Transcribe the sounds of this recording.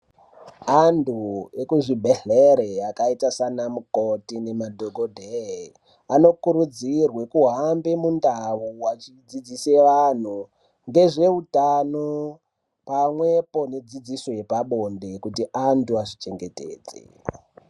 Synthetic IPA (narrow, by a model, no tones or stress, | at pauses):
anduekuʐibʱeɮeɾeakaitasanamukotine̞madʱoɡʱodʱe | ano̞kuɾud͡zirwe̞kuɦambemundaʋuwat͡ʃid͡zid͡ziseʋan̤u | ŋɡe̞ʐe̞utano | pamwe̞po̞ned͡zid͡zisojepaɓo̞nde̞kutiʔantuaʐit͡ʃe̞ŋɡe̞tḛːd͡zḛ